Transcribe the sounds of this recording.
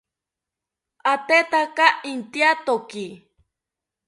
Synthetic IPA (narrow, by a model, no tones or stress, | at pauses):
at̪et̪akaint̪iat̪oki